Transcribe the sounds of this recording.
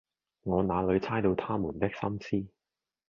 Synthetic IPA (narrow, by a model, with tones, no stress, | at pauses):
ŋɔː˨˧naː˨˧lɵ˨˧ɥt͡sʰaː˥jt̪o˧wt̪ʰaː˥muː˨˩nt̪ɪ˥k̚sɐ˥msiː˥